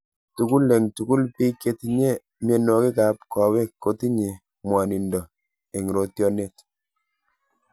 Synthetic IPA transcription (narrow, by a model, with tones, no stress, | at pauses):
tu˨ku˦le˨ŋtu˨ku˦lpi˦ke˦tɲe˦ | mje˨nɔ˨ki˦ka˨p̚kɔ˨wɛ˦kːo˦ti˦ɲe˨ | mwa˨ni˨ndɔ˨ | e˨ŋ˨ɾo˨tjɔ˦ne˦t